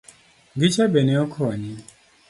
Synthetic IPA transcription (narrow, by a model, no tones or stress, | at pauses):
ŋɡit͡ʃabɛnɛɔkʰɔwaɲi